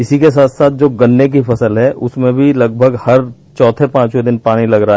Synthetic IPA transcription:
ɪsikes̬aːt̪ʰsaːt̪̚ʰd͡ʒoːɡɐnːek̬ifɐsəlɦɛʔʊsmẽbʱilɐɡbʱəɡhɐɾ | t͡ʃɔːt̪ʰepãːt͡ʃwed̪ɪnpaːnilɐɡɾaa

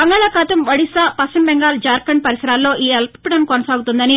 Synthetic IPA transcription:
bɐŋɡaːɭaːkaːt̪ɐmʋɐɽisaːpɐsɐmbɛŋɡaːld͡ʒaːɾkɐɳ̚pɐɾisɐɾaːlːo̞ːʔiːelppɐɽɐnkonɐsaːɡut̪und̪ɐni

